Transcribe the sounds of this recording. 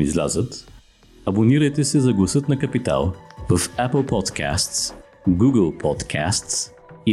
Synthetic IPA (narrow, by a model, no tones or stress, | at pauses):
ḭzlʲa̰zət̪ | ɐboniɾəjt̪ɛsɛzɐɡlˠɐsɤt̪nɐkɐpit̪a̰lˠvəfapəlˠpɔt̪ka̰st̪s | ɡuɡəlˠpʰɔt̪kʰa̰st̪s | i